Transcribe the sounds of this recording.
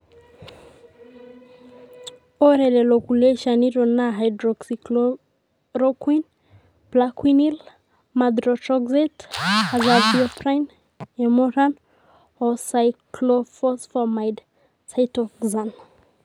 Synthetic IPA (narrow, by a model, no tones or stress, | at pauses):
ɔɾɛlelokuleʃaniɾɔnaɦajdɾɔksik | ɾokwin | blakʰwinil | mad̪ɾɔtɾɔɡzetazalbiɔfɾajn | emɔɾan | ɔsajkklofɔsfɔmajd | tʰajtɔkzan